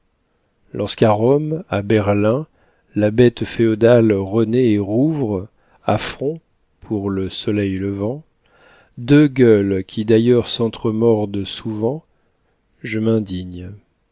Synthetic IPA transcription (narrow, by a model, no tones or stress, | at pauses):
lʔɔʁskaʁɔmabɛʁlɛ̃ | labɛt̪feɔd̪alʁəneːʁuvʁ | afχɔ̃ | pʰuʁləsɔlɛjləvɑ̃ | d̪øɡʲœlkʲʰid̪ajœʁsɑ̃t̪χəmɔʁd̪suvɑ̃ | ʒəmɛ̃d̪iɲ